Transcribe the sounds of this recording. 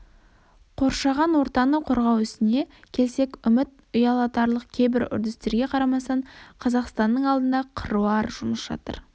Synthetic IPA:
qʰo̞ɾʃɑʁɑnwo̞ɾt̪ɑnəqʰoɾʁɑwʏst̪ɪne̞kʲʰe̞lse̞kʲʏmɪt̪ | ʊjɑlˠɑt̪ɑɾlˠəqkʲʰe̞jbɪɾʏ̰ɾd̪ɪst̪e̞ɾɡʲe̞qʰɑɾɑmɑsɑɴqʰɑzɑqst̪ɑnːəɴɑlˠd̪ənd̪ɑqʰəɾuɑɾʒʊməsʒ̥ɑ̰t̪ə̰ɾ

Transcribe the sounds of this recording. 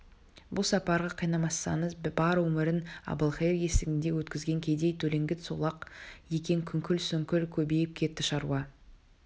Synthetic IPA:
bʊlˠsɑpɑɾʁɑqʰijnɑmɑsːɑɴəzbɑɾwɵmɪɾɪnɑ̰bəlˠχejɾje̞sɪɡʲɪnd̪e̞wɵt̪kʲɪzɡʲe̞ŋkʲʰe̞d̪e̞jt̪ʰɵle̞ŋɡʲɪt̪solˠɑqje̞kʲeŋkʲʰʏŋkʲɪlsʏŋkʲɪlkʲʰɵbe̞jɪp̚kʲʰe̞t̪ːɪʃɑɾuɑ

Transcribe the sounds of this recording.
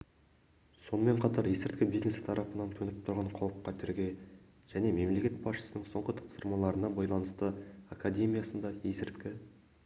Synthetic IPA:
so̞nəme̞ɴqʰɑt̪ɑɾjesɪɾt̪̚kʲɪbijzne̞st̪ʰɑɾʔɑpənɑnt̪ʰɵnɪp̚t̪ʰʊɾʁɑɴqʰɑwəp̚qːɑt̪ʰʏɾɡʲe̞ | ʒ̥æne̞me̞mle̞kʲe̞t̪̚bɑsʃə̥sənəɴso̞ɴʁət̪ʰɑ̥psəɾmɑlˠɑɾənɑbɑjlˠɑnəst̪əakad̪ʲe̞mʲijasənd̪ɑjesɪɾt̪kʲɪ

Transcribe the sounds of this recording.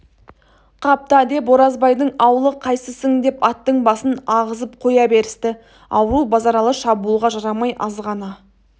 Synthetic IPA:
qʰɑp̚t̪ɑd̪e̞poɾɑzbɑjd̪əɴɑwlˠəqʰɑjsəsəŋd̪e̞pɑt̪ːəɴbɑsənɑʁəzəp̚qʰo̞jɑbe̞ɾɪst̪ɪ | ɑ̰wɾubɑzɑɾɑlˠəʃɑbulˠʁɑʒɑɾɑmɑjʔɑzʁɑnɑ

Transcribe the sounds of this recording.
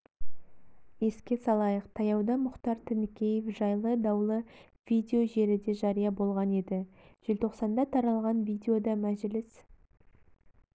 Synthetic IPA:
je̞skʲe̞sɑlˠɑjəqt̪ʰɑjɑwd̪ɑmʊqt̪ɑɾt̪ʰɪnɪkʲe̞jefʒɑjlˠəd̪ɑwlˠə | v̥id̪ʲeo̞ʒe̞ɾɪd̪e̞ʒɑɾijɑbo̞lˠʁɑne̞d̪ɪʒ̥ɪlt̪ʰo̞qsɑnd̪ɑt̪ʰɑɾɑlˠʁɑnvʲid̪ʲeo̞d̪ɑmæʒlɪs

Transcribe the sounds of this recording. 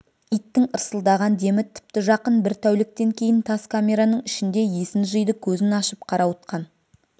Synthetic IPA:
ijt̪ːɪŋəɾsəlˠd̪ɑʁɑnd̪e̞mɪt̪ʰɪ̥p̚t̪ɪʒɑqənbɪɾt̪ʰæwlɪk̚t̪e̞ŋkʲʰe̞jɪnt̪ʰɑskʰamʲe̞ɾanəɴɪʃɪnd̪e̞je̞sɪnʒəjd̪əkʲʰɵzɪnɑʃəp̚qʰɑɾɑwət̪̚qɑn

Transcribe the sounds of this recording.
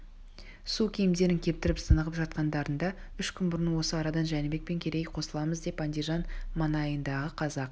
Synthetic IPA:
sukʲʰijɪmd̪e̞ɾɪŋkʲʰe̞p̚t̪ɪɾɪpsənəʁəpʒɑt̪̚qɑnd̪ɑɾənd̪ɑʏʃkʲʰʏnbʊɾənwo̞səɑɾɑd̪ɑnʒænɪbe̞k̚pe̞ŋkʲʰe̞ɾe̞jqʰo̞səlˠɑməzd̪e̞pɑnd̪iʒɑnmɑnɑjənd̪ɑʁəqʰɑzɑq̚

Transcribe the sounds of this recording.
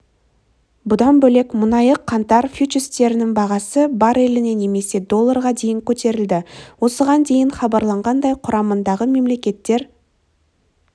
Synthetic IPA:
bʊd̪ɑnbɵle̞kmʊnɑjəqʰːɑnt̪ɑɾfut͡ʃɪst̪e̞ɾɪnɪŋbɑʁɑsəbɑɾe̞lɪne̞ne̞me̞se̞d̪o̞lˠːɑɾʁɑd̪e̞jɪŋkʲʰɵt̪e̞ɾɪld̪ɪwo̞səʁɑnd̪e̞jɪnχɑbɑɾlˠɑɴʁɑnd̪ɑjqʰʊɾɑmənd̪ɑʁəme̞mle̞kʲe̞t̪ːe̞ɾ

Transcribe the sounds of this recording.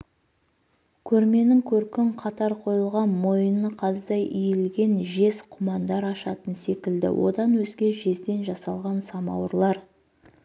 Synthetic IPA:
kʲʰɵɾme̞nɪŋkʲʰɵɾkʲɪɴqʰɑt̪ɑɾqʰo̞jəlˠʁɑnmo̞jənəqʰɑzəd̪ɑjʔijɪlɡʲe̞nʒe̞sqʰʊmɑnd̪ɑɾɑʃɑt̪ənse̞kʲɪld̪ɪ̰wʔo̞̰d̪ɑnwɵzɡʲe̞ʒe̞zd̪e̞nʒɑsɑlˠʁɑnsɑmɑ̰wəɾlˠɑɾ

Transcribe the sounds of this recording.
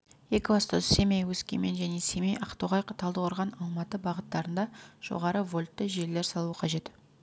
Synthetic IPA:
je̞kʲɑst̪əse̞mejwɵskʲḛme̞nʒæne̞semejʔɑqt̪oʁɑjqʰət̪ʰɑlˠd̪əwoɾʁɑnɑlˠmɑt̪əbɑʁət̪ːɑɾənd̪ɑʒ̥o̰ʁɑɾəvo̞lʲt̪ːəʒe̞ɾle̞ɾsɑlˠuəqʰɑʒe̞t̪

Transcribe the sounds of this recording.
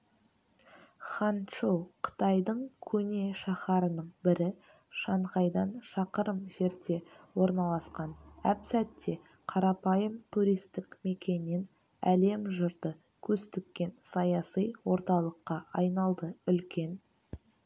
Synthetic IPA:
χɑnʃowqʰə̥t̪ɑjd̪əɴkʲʰɵne̞ʃɑχɑɾənəɴbɪɾɪ | ʃɑɴʁɑjd̪ɑnʃɑqəɾəmʒe̞ɾd̪e̞wo̞ɾnɑlˠɑsqɑnæpsæt̪ʰːe̞ | qʰɑɾɑpɑjəmt̪ʰuɾijst̪ɪkme̞kʲe̞nːen | æle̞mʒʊɾd̪ə | kʲʰɵst̪ɪkʲːe̞nsɑjɑsijwo̞ɾt̪ɑlˠəqːɑʔɑjnɑlˠd̪əʏlkʲe̞n

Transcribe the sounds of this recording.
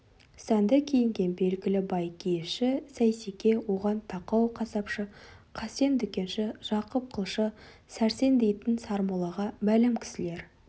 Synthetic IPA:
sænd̪ɪkʲʰejɪŋɡʲe̞nbe̞lɡʲɪlɪbɑjkʲʰejɪfʃɪsæjsekʲe̞wo̞ʁɑnt̪ʰɑqɑwqʰɑsɑpʃəqʰɑse̞nd̪ʏkʲe̞nʃɪʒ̥ɑqəp̚qʰəlˠʃə | sæɾse̞nd̪e̞jt̪ɪnsɑɾmolˠɑʁɑmælɪmkʲʰɪ̥sɪle̞ɾ

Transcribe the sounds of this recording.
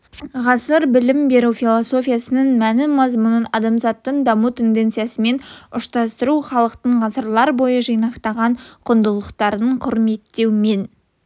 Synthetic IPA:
ʁɑsəɾbɪlɪmbe̞ɾufʲilˠo̞so̞fʲijasənənmænɪmɑzmʊnənɑd̪ɑmzɑt̪ːəɴd̪ɑmut̪ʰe̞nd̪e̞nt̪sɨjasəme̞nʊʃt̪ɑst̪əɾuχɑlˠəqt̪əɴʁɑsəɾlˠɑɾbo̞jəʒəjnɑqt̪ɑʁɑɴqʰʊnd̪əlˠəqt̪ɑɾəɴqʰʊɾme̞t̪ːe̞wme̞n

